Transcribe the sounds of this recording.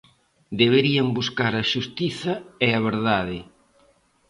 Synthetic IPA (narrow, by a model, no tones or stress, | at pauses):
d̪eβ̞eɾiɐmbuskaɾɐʃust̪iθɐɛɐβ̞eɾðaðɪ